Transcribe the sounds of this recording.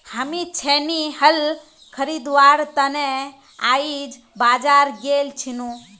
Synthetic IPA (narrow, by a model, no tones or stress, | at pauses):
həmit͡ʃʰenihəl | kʰəɾid̪ʋaːɾt̪əne | aːid͡ʒ | baːd͡ʒaːɾɡeːlt͡ʃʰinũ